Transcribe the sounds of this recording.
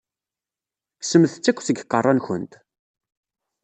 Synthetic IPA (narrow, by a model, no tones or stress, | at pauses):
ksəmθət͡sːækʷːθəɡqːərˤːɑnçənt̪